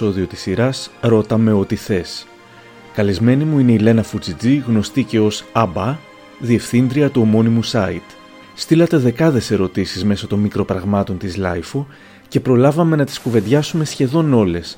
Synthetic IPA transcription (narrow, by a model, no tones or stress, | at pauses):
o̞ðio̞t̪i̥sːiɾɐsɾo̞t̪ɐme̞o̞t̪iθe̞s | kɐlizme̞nimuine̞ile̞nɐfut͡sid͡ziɣno̞st̪ice̞o̞sɐbɐ | ðie̞fθind̪ɾiɐt̪uo̞mo̞nimusɐit̪ | st̪ilɐt̪e̞ðe̞kɐðe̞se̞ɾo̞t̪isizme̞sot̪o̞nmikɾo̞pɾɐɣmɐt̪o̞nt̪izlɐ̰jfo | ce̞pɾo̞lɐvɐme̞nɐt̪i̥skuve̞ndʝɐsume̞sçe̞ðo̞no̞le̞s